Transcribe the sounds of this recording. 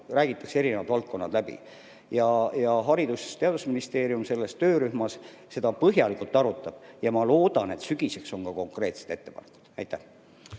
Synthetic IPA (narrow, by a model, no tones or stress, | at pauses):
ræːɡ̥it̪ːˑɑksee̞ɾinevɑd̪̥vɑlt̪̚ko̞nːɑd̪læbḭ | jɑjɑɦɑɾid̪̥use̥st̪e̞ɑd̪̥usminist̪e̞ːɾiumse̞lːe̞st̪ø̞ːɾyhmɑs | se̞d̪ɑpɤɦjɑlikult̪ːˑɑɾut̪ːˑɑb̥jɑmɑlo̞ːd̪̥ɑne̞t̪syɡ̥ise̞kso̞ŋkɑko̞ŋkre̞ːt̪se̥d̪̥e̞t̪ːe̞pɑ̰nekːˑu̥d̪̥ɑ̰jt̪ːæh